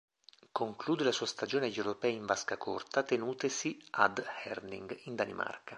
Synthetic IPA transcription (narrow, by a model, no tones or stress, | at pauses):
koŋkluːd̪elasuːast̪ad͡ʒoːneajewɾopɛːaiɱvaskakʰort̪at̪enuːt̪esiad̪hɛrnḭŋɡind̪anḭmʔa̰rka